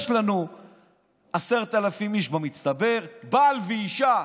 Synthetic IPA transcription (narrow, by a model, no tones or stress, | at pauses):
ʃlanu | aseʁt̪alafimiʃbamitt͡st̪abe̞ʁbaːlveiʃa